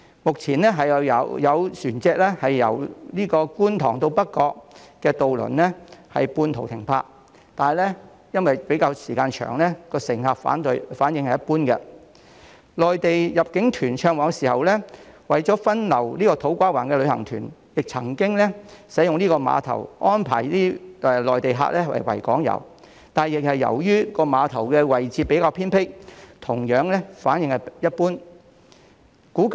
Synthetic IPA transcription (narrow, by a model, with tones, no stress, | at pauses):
mʊ˨k̚t͡sʰiː˨˩nɛː˥ɦɐ˨jɐ˨˧jɐ˨˧wsyː˨˩nt͡sɛː˧k̚lɛː˥hɐ˨jːɐ̰˨˩wliː˥kɔː˧kuː˥nt̪ʰɔ̰ː˨˩ŋt̪o˧wpɐ˥t̚kɔː˧k̚kɛː˧t̪o˨wlɵ̰˨˩nlɛ˥hɐ̰˨jpuː˧nt̪ʰo˨˩wt̪ʰɪ˨˩ŋpʰa̰ː˧k̚ | t̪aː˨n˨˩jlɛː˥ | jɐ˥nwɐ˨jpe˨˥jkaː˧wsiː˨˩kaː˧nt͡ʃʰœ̰ː˨˩ŋlɛː˥kɔː˧sɪ˨˩ŋhaː˨p̚fa̰ː˨˥nt̪ɵ˧jfaː˨˥njɪ˧ŋhɐ˨jɐ˥puː˥nkɛ˧ | lɔː˨jt̪e˨jjɐ˨p̚kɪ˨˥ŋt̪ʰyː˨˩nt͡ʃʰœː˧ŋwɔː˨˧ŋsiː˨˩hɐ˨wlɛː˥wɐ˨jt͡sɔː˨˥fɐ˥nlɐ˨˩wliː˥kɔː˧t̪ʰo˨˥wkʷaː˥waː˨˩nkɛː˧lɵ˨˧ɥhɐ̰˨˩ŋt̪ʰy̰ː˨˩njɪ˨k̚t͡sʰɐ˨˩ŋkɪ˥ŋlɛ˥sɐ˨˥jʊ˨ŋniː˥kɔː˧ma̰ː˨˧t̪ʰɐ̰˨˩wʔɔː˥npʰaː˨˩jliː˥ʔɛ˨˧lɔː˨˩jt̪e˨jɦa̰ː˧k̚lɛ˥wɐ̰˨jwɐ̰˨˩jkɔ̰ː˨˥ŋjɐ̰˨˩w | t̪aː˨n˨jɪ˨k̚hɐ˨jːɐ̰˨˩wjyː˥kɔː˧maː˨˧t̪ʰɐ˨˩wkɛː˧wɐ˨jt͡siː˧pe˨˥jkaː˧wpʰiː˥npʰɪ˥kt̪ʰʊ˨˩ŋjœː˨˥ŋlɛ˥faː˨˥njɪ˨˧ŋhɐ˨jɐ˥t̚puː˥n | kuː˨˥